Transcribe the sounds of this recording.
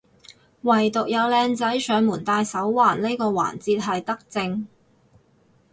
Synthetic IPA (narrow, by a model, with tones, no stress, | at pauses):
wɐ˨˩jt̪ʊ˨k̚jɐ˨˧wlɛː˧ŋt͡sɐ˨˥jsœː˨˧ŋmuː˨˩nt̪aː˧jsɐ˨˥wwaː˨˩nle˥jkɔː˧wa̰ː˨˩nt͡siː˧t̚ɦɐ˨jt̪ɐ˥k̚t͡sɪ˧ŋ